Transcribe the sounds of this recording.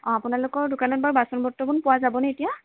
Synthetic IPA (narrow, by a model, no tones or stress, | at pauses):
ɔ̃apʊnalʊkɔɹdʊkanɔt̚baɹbasɔnbʱɔtːɔkunpʊwazabɔnɛetija